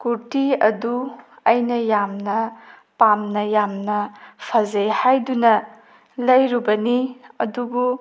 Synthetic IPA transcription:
kuɾtiɐdu | ɐjnɐjamnɐ | pamnɐjamnɐpʰɐzejhajdunɐ | lɐjɾubɐniɐdubu

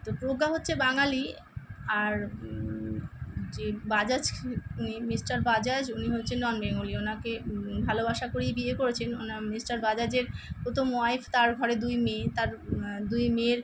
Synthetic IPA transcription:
t̪opɾoɡaɦotːɕʰebaŋali | aɾ | d͡ʑebad͡ʑad͡ʑnimisʈaɾbad͡ʑad͡ʑuniɦotːɕʰenːɔnbeŋulionakebʱalobaʃakoɾibiekoɾet͡ɕʰenonamisʈaɾbad͡ʑad͡ʑeɾkot̪ʰomoaift̪aɾɡʱɔɾed̪ujmet̪aɾd̪ujmeɾ

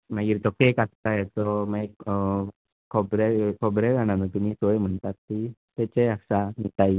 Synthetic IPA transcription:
maɡiɾt̪ɔkekast̪ajet̪ɔmak | kʰɔbɾekʰɔbɾeɡañanit̪um̤iːsoem̤əɳt̪at̪ːit̪et͡ɕeaksanit̪ai

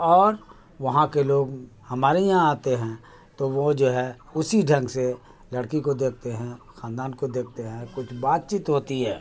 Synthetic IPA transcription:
ɔːɾ | ʋɐɦãkeloːɡhɐmaːɾejãaːt̪eɦɛ̃ | t̪oʋod͡ʒoːɦɛ | ʊsiɖʱɐ̃ŋɡse | lɐɽkikod̪eːk̚ʰt̪eɦɛ̃xãːnd̪aːnkod̪eːk̚ʰt̪eɦɛ̃kʊt͡ʃʰbaːt̪̚t͡ʃiːt̪ɦoːt̪iɦɛː

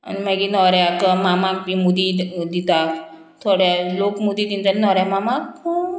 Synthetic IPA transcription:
ɐ̰nmɛɡinɔɾeakəmamak̚bimud̪id̪it̪a | t̪ʰoɽaloːkmud̪id̪ind̪annɔɾamamako

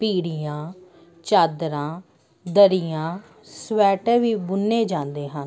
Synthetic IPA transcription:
piːɽijãː | t͡ʃaːd̪ɾãː | d̪əɾijãː | sʋɛːʈːʋiːbʊnːeːd͡ʒãːnd̪eːɦən

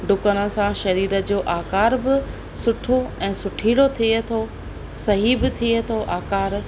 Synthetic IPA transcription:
ɖʊkənə̆sãʃɐɾiːɾəd͡ʑoːʔaːkaːɾbɪ | sʊʈʰoɛ̃ːsʊʈʰiːɽot̪ʰiet̪ʰo | sɐɦibɪt̪ʰiet̪ʰoʔaːkaːɾ

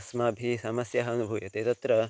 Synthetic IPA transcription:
smaːbʱisɐmɐsjɐɦɐnubʱujɐt̪eːt̪ɐt̪ɾɐ

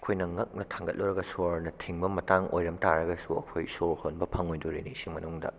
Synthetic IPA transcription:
ɐkʰojnɐŋɐk̚nɐtʰaŋɡɐt̚loɾɐɡɐsoɾnɐtʰiŋbɐmɐtaŋo̰jɾɐmtaɾɐɡɐsuɐ̰kʰojsohonbɐpʰɐŋojdoɾinisimɐnuŋdɐ̰

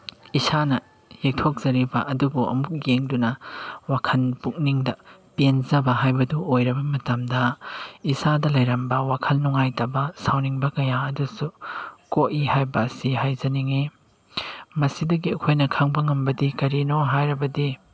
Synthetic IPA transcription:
isanɐ | hek̚tʰok̚z̥ɐɾibɐʔɐdubuɐ̰muk̚jeŋdunɐwakʰɐnpuk̚niŋdɐpenzɐbɐɦajbɐduojɾɐbɐmɐtɐmdɐisadɐlɐjɾɐmbɐwakʰɐlnɔŋajtɐbɐsawniŋbɐkɐjaɐdusukoʔihajbɐːsiɦajzɐniŋe | mɐsidɐɡiɐkʰojnɐkʰaŋbɐŋɐmbɐdikɐɾinoɦajɾɐbɐdi

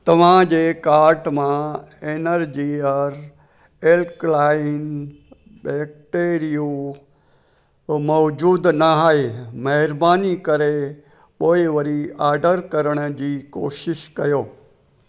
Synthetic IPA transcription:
t̪ɐʋ̤ãd͡ʑeːkaːɾʈmãeːnəɾd͡ʑiɐɾ | eːlklaːɪn | ɓɛːk̚ʈeːɾijũ | mɔːd͡ʑuːd̪nɐɦaːɦemɐɦɪɾbaːnikɐɾe | ɓoːiʋɐɾiaːɾɖəɾkɐɾəɽ̃d͡ʑiːkoːʃɪʃkɐjoː

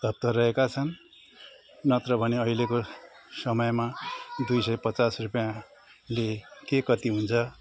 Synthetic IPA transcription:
d̪ʱʌp̚t̪ʌrʌekat͡sʰʌn | nʌt̪ɾʌbʱʌneʌileko | sʌmʌjmad̪ujsʌjpʌt͡sasrupjã | lekekʌt̪iɦunt͡sʰʌ

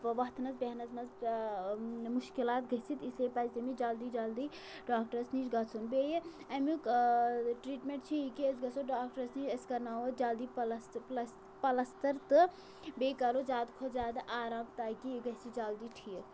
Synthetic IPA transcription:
pəʋɐɦt̪nɐt͡sbeɦnɐzmɐz | muʃkilaːt̪ɡɐɦt͡sʰit̪islepad͡ʒt̪ɐmid͡ʒɐld̪id͡ʒɐld̪i | ɖaːk̚ʈəɾsnid͡ʒɡɐt͡sʰunbeje | ɐmi | ʈɾiʈmẽɳʈ̚t͡ʃʰiikiesɡɐsoɖaːkʈəɾsnid͡ʒɐskɐɾnaʋəd͡ʒɐld̪ipls | pɐlɐst̪əɾt̪ɨ | bekɐɾod͡ʒaːd̪kʰod͡ʒaːd̪aʔaːɾaːmt̪aːkiɡɐɦsʰid͡ʒɐld̪iʈʰi

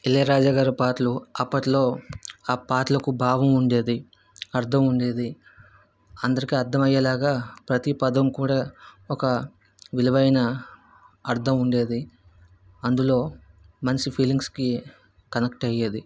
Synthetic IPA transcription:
ilːeːɾaːd͡ʒaːɡaːɾupaːʈluɐpːɐʈlo̞ːaːpaːʈlɐkubʱaːɡɐmuɳɖe̞ːd̪i | ɐɾd̪ʰʱɐmuɳɖe̞ːd̪i | ɐnd̪ɐɾikiɐɾd̪ʰʱɐmɐjːɐlaːɡaːpɾɐt̪ipɐd̪ɐmkuːɽaːɔkɐ | ʋilɐʋɐjnɐ | ɐɾd̪ʰʱɐmuɳɖe̞ːd̪i | ɐnd̪ulo̞ː | mɐnt͡ʃipʰiːliŋɡski | kɐnɐkʈɐjːeːd̪i

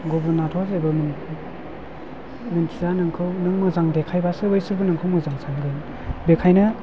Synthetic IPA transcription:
ɡobunatʰɔzebɯmɯn | mɯntʰizanɯŋkʰɯwnɯŋmɯzaŋdekʰajbasɯbɯjsɯɾbɯnɯŋkʰɯwmɯzaŋsaŋɡɯn | bekʰajnɐ

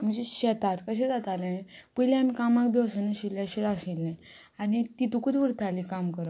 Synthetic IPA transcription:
amt͡ɕiɕɛt̪at̪kəɕ̬ẽd͡zat̪alenẽpuilɛ̃amikamakd̪owsənəɕilaɕetasilnẽ | añit̪it̪ukud̪ʋuɾt̪ʰalikamkəɾə

